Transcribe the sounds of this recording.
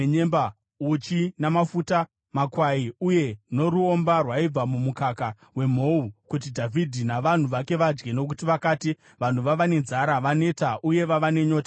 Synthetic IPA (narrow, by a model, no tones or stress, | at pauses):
ɲemba | ut͡ʃinamafuta | makwaiuje̞no̞ɾuombarwaib͡vamumukaka | we̞m̤o̞ukut̬idʱavʱidʱinaʋan̤uʋake̞ʋad͡ʒɡe̞no̞k̬utiʋakaːti | ʋan̤uʋaʋane̞nd͡zaɾaʋane̞taʔuje̞ʋaʋane̞ɲo̞ːtḁ